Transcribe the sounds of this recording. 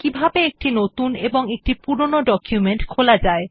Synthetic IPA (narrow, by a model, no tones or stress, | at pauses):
kibʱabeek̚ʈinot̪uneboŋek̚ʈipuɾonoɖɔkjumeɳʈkʰolad͡ʑae